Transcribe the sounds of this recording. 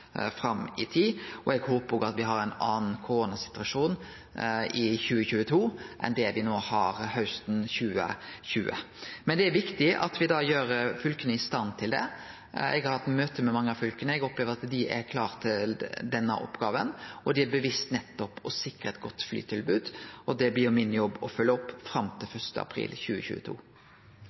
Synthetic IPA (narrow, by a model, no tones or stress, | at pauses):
fɾɑmɪt̪ʰiːɔɛɡhoːpəɾɡɑt̪ʋɪɦɑɾæɪnɑːnn̩kʰʊɾoːnɑsɪ̥t̪ʉɑʂuːn | ɪçʉːəçʉːət̪ʰuːʔɛ̰nd̪ɛʋɪnoːhɑɾhœʉst̪n̩çʉːə̰çʉːə̰ | mɛnd̪ɛæɾʋɪkt̪ɪʔɑ̰t̪ʋɪd̪ɑːjøːɾfʏlkənəɪst̪ɑnːt̪ʰɪld̪ɛ̰ | ʔɛ̰ɡɑɾhɑt̪ːmøːt̪əmɛmɑŋːəɑfʏlkənəɛɡɔpleːʋəɾɑt̪d̪ɪʔɛ̰ɾkʰlɑːʁt̪ʰɪld̪ɛnːə̰ʔɔ̰pːɡɑːʋənɔd̪ɪæɾbəʋɪst̪nɛt̪ːɔpɔsɪkɾəɛt̪̚ɡɔt̪ːfly̰ːt̪ʰɪlbʉːd̪ʔɔd̪ɛblɪːʊmɪnːjɔbːɔfʉlːəɔpːfɾɑmt̪ʰɪlfœʂt̪ə̰ɑ̰pʰɾḭːlçʉ̰ːə̰çʉ̰ːət̪ʰṵː